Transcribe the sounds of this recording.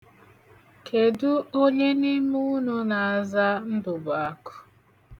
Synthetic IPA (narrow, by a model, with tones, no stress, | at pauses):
kʰe˨dʊ˦o˦ɲe˦ni˦mu˦nʊ˦na˨a˨za˦n̩˦dʊ˨ba˨a˨kʊ̥˦